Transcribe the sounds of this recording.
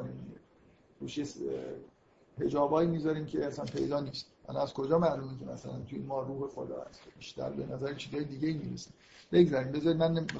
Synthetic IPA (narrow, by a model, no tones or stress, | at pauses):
nimi | ɾuːʃjes | he̞d͡ʒɒːbɒːjimiːzɒɾiːmcʰeæsænpʰe̞̰jd̪ɒːniːst̪̚ʔæ̰lɒ̰æzkʰo̞d͡ʒɒːmæʔlumikʲʰḛmæsæ̰lænt̪ʰujemɒːɾuːhexo̰d̪ɒ̰ːhæ̰st̪ʰobiːʃt̪æ̰ɾbenæzæɾit͡ʃʰiːzɒːjed̪iːɟeiːmiːɾḛsim | b̥eɡzæɾiːmbe̞zɒɾimænːe